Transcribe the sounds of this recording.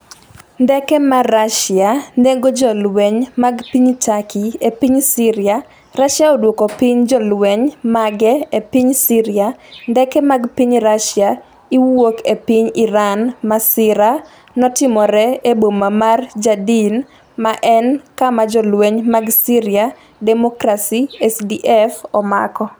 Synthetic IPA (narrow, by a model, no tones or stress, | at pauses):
ndɛkɛmaraʃaneɡod͡ʒɔlwɛɲmaɡpiɲtakiepiɲsiɾa | raʃjaodwokopiɲd͡ʒɔlwɛɲmaɡɛepiɲsiɾɪandɛkɛmaɡpiɲɾaʃja | iwokepiɲiɾanmasɪɾa | nɔtɪmɔɾɛebomamard͡ʒadin | maʔɛnkamad͡ʒɔlweɲmaɡsiɾia | dɛmokɾasiɛsdiʔɛfɔma̰kɔ